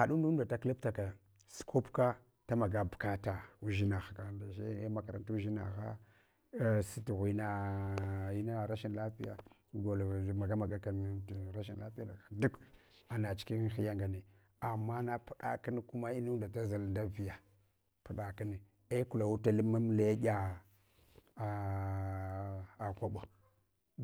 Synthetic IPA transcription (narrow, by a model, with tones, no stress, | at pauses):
xa˨ɗu˦n˦u˦da˨ta˦kla˦pta˨ka˨ | skʰo˦pka˦ | ta˦ma˨ɡa˦bka˦ta˨u˦ʒi˦na˨xa˨ka˨da˨ʃe˦ma˨ka˨ɾa˨nta˦u˦ʒi˦na̰˨ɣa̰˦˨ | si˦tɣi˨na˨ | i˦na˦˨ɾa˦ʃi˦nla˦pi˦ja̰˨ | ɡo˨lma˨ɡa˦ma˨ɡa˦ka˨n˨ɾa˦ʃi˨n˨la˦pi˦a˨da˨du˦k | a˨na˨t͡ʃi̥˨ki˦xi˦ja˦ŋɡa˨ne˨ | a˨mːa˦na˦pu˦ɗa̰˨ki˦n˦ku˦ma˦i˦nu˦nda˨ta˦za˨lnda˦vi˨ja˨ | pu˨ɗa˨ki˦ni˨ | e˦ku˨la˨wu˦ta˦li˦ma˦m˦la˦ɡʲa˨ | a˨kʷa˨ɓo˨